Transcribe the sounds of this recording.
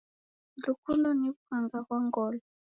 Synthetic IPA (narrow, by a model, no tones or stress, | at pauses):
lukʰulɔnifaŋɡakwaŋɡɔːlɔ